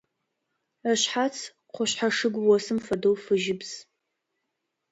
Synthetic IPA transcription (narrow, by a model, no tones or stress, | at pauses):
əɕħat͡sʰ | qʷʰɔɕħaʂɨɡʷwɔsɨmfɐdowfɨʒɪbz̥